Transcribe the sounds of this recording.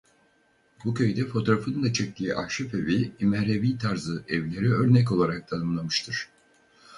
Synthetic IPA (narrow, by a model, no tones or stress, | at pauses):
bucʲʰø̞jd̪ɛfo̞t̪ʰo̞ɾafɯnɯnd̪at͡ʃʰɛc̚t̪ʲiːʔahʃefe̞viimɛɾeviːt̪ʰaɾzɯɛvlʲe̞ɾiø̞ɾnɛc̬o̞lˠaɾak̚t̪ʰanɯmlˠamɯʃt̪ʰɯɾ̥